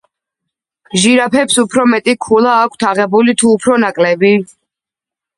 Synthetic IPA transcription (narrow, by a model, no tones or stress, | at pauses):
ʒiɾapʰɛpsupʰɾɔmɛt̪ʼikʰulˠaːkʰt̪ʰaʁɛbulit̪ʰuːpʰɾɔnakʼlɛbi